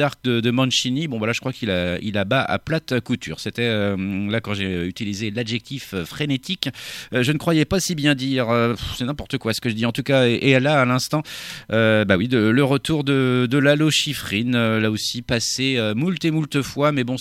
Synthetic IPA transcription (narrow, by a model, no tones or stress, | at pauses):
aʁk̚d̪əd̪əmɑ̃nʃinibɔ̃valaʒə̥kχwakʰilaḭlabaa̰plat̪kut̪y̰ːʁset̪ɛølakɑ̃ʒeyt̪ilizelad̪ʒɛk̚t̪ʰiføfχenet̪ʰikʒənəkχwajɛpasibjɛ̃d̪iʁøsɛnɛ̃pɔʁt̪əkwasə̥kəʒəd̪iɑ̃t̪ukaeʔelaːlɛ̃st̪ɑ̃øbawid̪ələʁət̪uʁd̪əd̪əlaloʃifχinølaosipaseømult̪emult̪əfwamɛbɔ̃